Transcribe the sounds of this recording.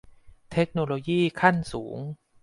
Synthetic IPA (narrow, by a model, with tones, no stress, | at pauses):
t̪ʰe˦˥k̚noː˧loː˧jiː˥˩kʰa˥˩nsuː˩˦ŋ